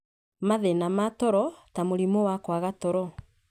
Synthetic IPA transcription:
maðenamatɔɾɔtamoɾimowakwaɣatɔɾɔ

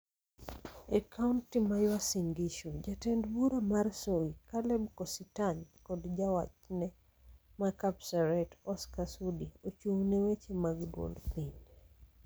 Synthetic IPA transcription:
ɛkʰauntimajwasiŋɡiʃud͡ʒatɛndbuɾomarsoikalɛbkɔsitaɲkɔdd͡ʒawa̰t͡ʃnɛ | makapsaɾɛtɔskasudiot͡ʃuwnewet͡ʃemaɡdwo̰lpiɲ

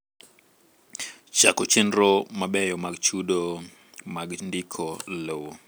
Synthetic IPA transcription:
t͡ʃakot͡ʃendɾɔmaɓɛjɔmaɡt͡ʃuɗo | maɡndikʰɔlowo

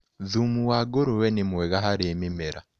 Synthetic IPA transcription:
ðumuwaːɡoɾowɛnimwɛɣaɦaɾemimeɾa̰

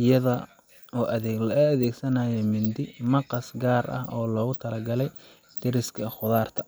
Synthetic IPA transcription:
ɪjɐðɐ | ɔːʔɐːðɛːɡsɐnɐːjɛmɪnd̪ɪmɐqɑsɡaːrɐ̰hɔːlɔːɣʊt̪ʰɐlɐɡɐlɛj | t̪ʰɪɾɪskʰɐχʊðaːrt̪ʰɐ

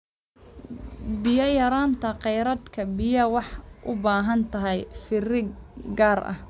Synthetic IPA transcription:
bɪjɐjɐɾaːnt̪ʰɐqɛjɾɐd̪kʰɐbɪjɐwɑħʔʊbaːɦɐnt̪ʰɐɦɛjfɪrɪɡaːrʔɐ̰h

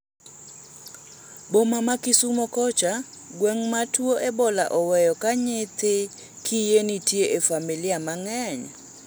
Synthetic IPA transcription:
bomamakisumɔkɔt͡ʃa | ɡwɛŋmatʰuoʔɛbɔla̰ʔɔwɛjɔkaɲɪt̪ɪ | kʰijenitʰieʔefamiliamaŋɛɲa̰

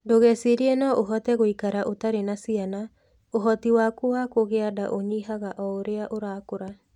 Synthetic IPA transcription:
doɣɛsiɾienɔʔoɦɔtɛɣoikaɾaʔotaɾenasiana | oɦɔtiwakowakoɣeadaʔoɲiɦaɣaʔɔoɾeaʔoɾaːkoɾa

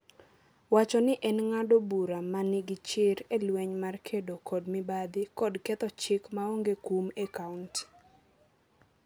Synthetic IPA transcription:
wat͡ʃɔnɪʔɛnŋadobuɾamanɪɡɪt͡ʃɪɾelwɛɲmarkʰedokʰɔdmɪbad̪ɪkɔdkɛt̪ɔt͡ʃɪkmaoŋɡekumekaunt

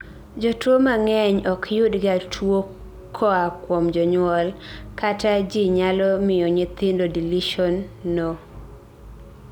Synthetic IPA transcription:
d͡ʒɔtwomaŋɛɲɔkʰjʊdɡatʰwo | kʰːɔakwomd͡ʒɔɲwɔlkatad͡ʒiɲalɔmɪjɔɲɪt̪ɪndodiliʃɔnːo

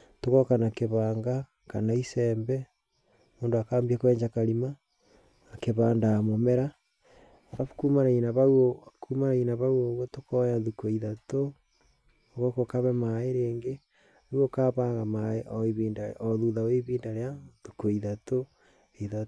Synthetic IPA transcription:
tokokanakeβaːŋɡa | kanaisɛmbɛ | moːndoakaːmbiakowɛːɲd͡ʒakaɾima | keβaːndamomɛɾa | aɾaβkumaɾainaβawokʰumaɾainaβawoβwotokɔjaðukoiðato | oɣokokaβɛmaeɾeːŋɡe | wokaβaɣamaeʔoiβiːndaoðuðaoiβiːndaɾeaðukoiðato | eða

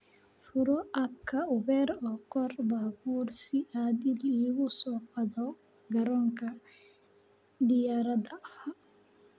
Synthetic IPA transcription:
fʊɾɔʔɐb̚kʰɐʊβɛːɾɔːqɔrbaːbuːrsɪʔaːðɪliːɣʊsɔːqɑðɔ | ɡɐɾɔːŋkʰɐ | d̪ɪjaːɾɐðɐha

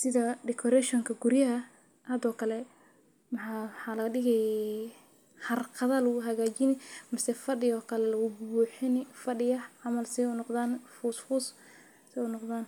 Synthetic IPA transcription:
sɪðɐɖɛkʰɔɾɛʃɔŋkʰɐɡurjɐɦɐ | hɐːd̪ɔːkʰɐlɛ | mɑħɑħɑːlɐɐɗɪɣɛj | hɐrqʰɑðɐlʊɦɐɣaːt͡ʃɪnɪmɐsɛfɐɗɪjɔːkʰɐlɛlɐɣʊbbuːħɪnfɐɖɪjɐʕɑmɐlsɛʊnɔqd̪aːnfuːsfuːs | sɛʊnɔqd̪aːn

